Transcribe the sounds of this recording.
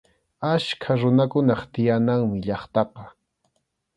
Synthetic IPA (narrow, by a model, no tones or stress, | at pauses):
aʃkʰaɾʊnakʊnɑχt̪ɪjanaŋmɪʎɑχt̪ɑqɑ